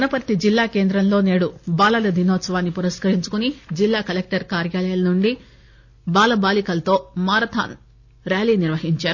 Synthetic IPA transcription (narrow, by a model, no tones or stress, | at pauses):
ɐnɐpɐɾt̪id͡ʒilːaːke̞ːnd̪ɾɐmlo̞ːne̞ːɽubaːlɐlɐd̪ʱinɔːt̪sɐʋaːnːipuɾɐskɐɾiɲt͡ʃu̥kunid͡ʒilːaːkɐlek̚ʈɐɾkaːɾjaːlɐjɐlɐnuɳɖi | baːlɐbaːlikɐlɐt̪o̞ːmaːɾɐt̪ʰa̰ːn | ɾjaːliːniɾʋɐɦiɲt͡ʃaːɾu